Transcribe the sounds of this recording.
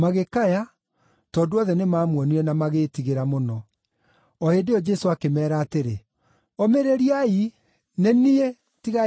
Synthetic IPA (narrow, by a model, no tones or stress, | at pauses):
maɣekaja | tɔːdoɔðɛnemaːmwɔniɾɛnamaɣeːtiɣeɾamonɔ | ɔhedeɔd͡ʒɛsoakemɛːɾaːteɾe | ɔmeɾeɾiai | nenie | tiɣa